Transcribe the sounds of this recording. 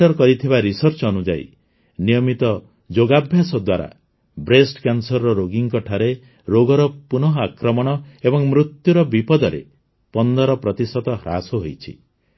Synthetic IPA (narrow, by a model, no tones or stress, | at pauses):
ɔɾkɔɾit̪ʰibaɾisɔɾt͡ʃɔnud͡ʒa̰ḭ | nijɔmit̪ɔ | d͡ʒoɡabʱjasɔd̪waɾa̰ | bɾesʈkansɔɾːɔɾoɡiŋkɔʈʰaɾe | ɾoɡɔɾɔpunɔɦɔakɾɔmɔɽ̃ɔebɔŋmɾut̪juɾɔbipɔd̪ɔɾḛ | pɔnd̪ɔɾɔpɾɔt̪isɔt̪ɔɦɾa̰sɔɦojt͡ʃʰḭ